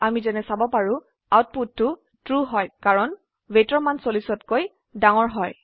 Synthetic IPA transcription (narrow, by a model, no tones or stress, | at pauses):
amizɛnɛsabɔpaɹʊ̃ | awt̚putːʊ | tɹuɦɔjkaɹɔn | wejtɔɹmansolisɔtkoj | daŋɔɹɦɔj